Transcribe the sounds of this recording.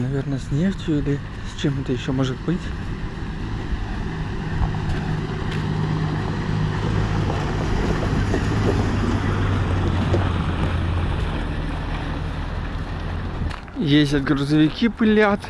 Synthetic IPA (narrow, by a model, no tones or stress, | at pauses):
nɐvʲernəsʲnʲeʂtʲjʊlʲɪ | st͡ɕɛmɛt̪əjɪɕːomoʐɨt̪̚bɨtʲ | jesʲtʲɐt̪̚ɡɾuzəvʲɪkʲipɨlʲat̪